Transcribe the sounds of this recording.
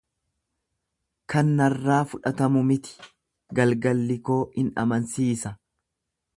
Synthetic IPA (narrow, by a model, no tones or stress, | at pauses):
kɐnːɐrːaːfʊᶑɐt̪ɐmʊmɪt̪ɪ̥ | ɡɐlɡɐlːɪko̞ːɪnɐ̰mɐnsiːsɐ